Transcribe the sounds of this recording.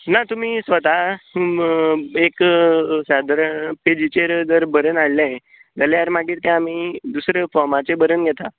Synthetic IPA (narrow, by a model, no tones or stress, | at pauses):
nat̪umiːsʋət̪a | eksad̪ɾəped͡ʑit͡ɕeɾd͡zəɾbəɾənaɭlã | d͡zəleaɾmaɡiːɾt̪ɛ̃amiːd̪usɾefɔɾmat͡sebəɾənɡʱjɛt̪a